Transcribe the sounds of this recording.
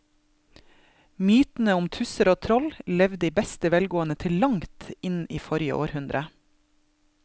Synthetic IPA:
myːt̪n̩əʊmt̪ʰʉsəɾoːt̪ʰɾɔllɛʋd̪iːbɛst̪əʋɛlɡoːənət̪ʰɪllɑŋt̪ɪniːfɔɾjə̰ʔoːɾhʉnd̪ɾʔə

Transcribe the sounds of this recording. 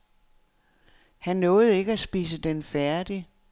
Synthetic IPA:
hænːɔ̽ːð̞̩ˠe̝ɡ̥əæsb̥iːs̬əd̥enfæɐd̥i

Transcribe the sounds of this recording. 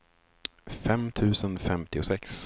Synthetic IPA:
fɛmt̪ʰʉ̟ːsənfɛmt̪ɪʊsɛks

